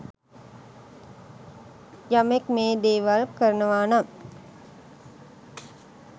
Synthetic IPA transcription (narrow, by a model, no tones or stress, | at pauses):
jamekmeːd̪eːʋalkəɾɐnəʋaːna